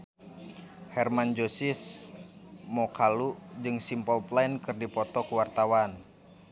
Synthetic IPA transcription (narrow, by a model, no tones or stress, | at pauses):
hɛrmand͡ʒosis | mɔkʰalud͡ʒɨŋsimpɔlplainkɨrdipɔt̪ɔkwart̪awan